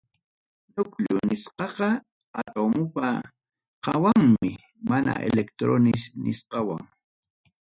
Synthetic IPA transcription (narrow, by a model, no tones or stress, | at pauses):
nʊkʎʊnɪsqɑqɑ | at̪omʊpa | qɑwaŋmɪ | mana̰ʔḛlekt̪ɾonɪsnʔɪsqɑwaŋ